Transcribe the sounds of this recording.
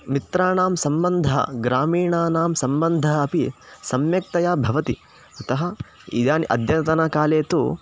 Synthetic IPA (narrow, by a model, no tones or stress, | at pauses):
mit̪ɾaːɳaːmsɐmbɐnd̪ʱɐɦɐ̰ɡɾaːmiːɳaːnaːmsɐmbɐnd̪ʱɐɦɐɐpisɐmjɐk̚t̪ɐjaːbʱɐʋɐt̪i | ɐt̪ɐɦɐ | ḭd̪jaːnʔɐ̰d̪jɐt̪ɐnɐkaːleːt̪u